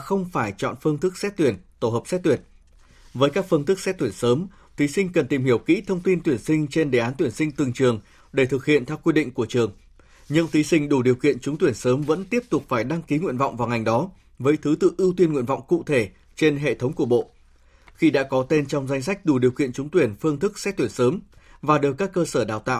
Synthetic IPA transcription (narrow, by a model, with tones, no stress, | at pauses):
xə˧wŋ͡mfaː˧˩jt͡ɕɔ̰˧˨nfɨ˧əŋt̪ʰɨ˦˥k̚sɛ˦˥t̚t̪wi˧˩ənt̪o˧˩ɦəː˨˩p̚sɛ˦˥t̚t̪wi˧˩ən | vəː˨˦jkaː˦˥k̚fɨ˧əŋt̪ɨ˦˥k̚sɛ˦˥t̚t̪wi˧˩ənsəː˨˦m | t̪ʰi˨˦sï˧ŋ̟kə˨˩nt̪i˨˩mhi˧˩əwkḭ˧˥t̪ʰə˧wŋ͡mt̪i˧nt̪wi˧˩ənsï˧ŋ̟t͡ɕe˧nɗḛ˨˩˨ʔaː˨˦nt̪wi˧˩ənsï˧ŋ̟t̪ɨ˨˩ŋt͡ɕɨ˨˩əŋ | ɗe˧˩t̪ʰɨ˨˩k̚hḭ˧˨ənt̪ʰɛ˧wkwi˧ɗḭ˧˨ŋ̟ku˧˩ət͡ɕɨ˨˩əŋ | ɲɨ̰˧˥ŋt̪ʰi˨˦sï˧ŋ̟ɗu˧˩ɗi˨˩əwkḭ˧˨ənt͡ɕʊ˨˦ŋ͡mt̪wi˧˩ənsəː˨˦mvə̰˧˥nt̪i˦˥əp̚t̪ʊ˨˩k͡p̚faː˧˩jɗa˧ŋki˨˦ŋwḭ˧˨ənvɔ̰˧˨wŋ͡mvaː˨˩wŋa˨˩jŋ̟ɗɔ˨˦ | vəː˨˦jt̪ʰɨ˨˦t̪ɨ̰˧˨ʔɨ˧wt̪wi˧nŋwḭ˧˨ənvɔ̰˧˨wŋ͡mkṵ˧˨t̪ʰe˧˩ | t͡ɕe˧nɦḛ˧˨t̪ʰə˨˦wŋ͡mku˧˩əɓo̰˧˨ | xi˧ɗa̰ː˧˥kɔ˨˦t̪e˧nt͡ɕɔ˧wŋ͡mza˧jŋ̟sa˦˥jk̟̚ɗu˧˩ɗi˨˩əwkḭ˧˨ənt͡ɕʊ˨˦ŋ͡mt̪wi˧˩ənfɨ˧əŋt̪ʰɨ˦˥k̚sɛ̰˦˥t̪wi˧˩ənsəː˨˦mvaː˨˩ɗ̚kaː˦˥kːəː˧səː˧˩ɗaː˨˩wt̪a̰ː˧˨w